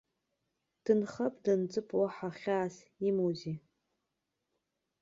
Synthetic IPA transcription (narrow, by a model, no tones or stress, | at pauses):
d̥ɨnχɐpʰʼdɨnt͡sʼɨpʰʼwaħaχʲaːs | imuzi